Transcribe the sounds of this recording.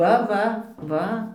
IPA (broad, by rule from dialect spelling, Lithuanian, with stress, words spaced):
ˈʋɐ ˈʋɐ ˈʋɐ